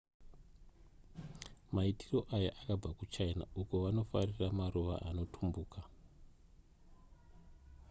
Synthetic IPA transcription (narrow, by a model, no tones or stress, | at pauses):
maitiro̞ʔaja̰ʔakab͡vakut͡ʃaina̰uko̞ʋano̞fariramaruʋa̰ʔano̞tʰumbuːka